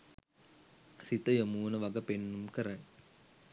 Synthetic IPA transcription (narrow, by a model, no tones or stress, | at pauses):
sit̪ɐjɐmuːnɐʋɐɡɐpenːumkɐɾaŋ